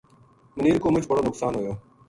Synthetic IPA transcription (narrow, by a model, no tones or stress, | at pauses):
məniːɾkoːmʊt͡ʃbəɽoːnʊksaːnɦojoː